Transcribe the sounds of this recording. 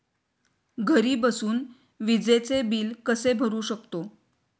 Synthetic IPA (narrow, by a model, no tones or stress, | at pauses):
ɡʱəɾiːbəsuːn | ʋid͡zet͡sebiːlkəsebʱəɾuːɕəkt̪o